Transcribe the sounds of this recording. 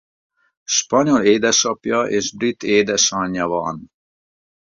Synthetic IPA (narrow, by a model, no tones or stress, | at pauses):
ʃpɒɲo̞leːd̪ɛʃɒpjɒʔeːʒbrit̪ːeːd̪ɛʃɒɲːɒvɒ̰n